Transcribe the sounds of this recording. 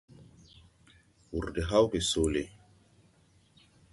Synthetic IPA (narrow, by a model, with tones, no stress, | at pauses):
wu˨ɾde˨ɦa˦wke˨so˨le˨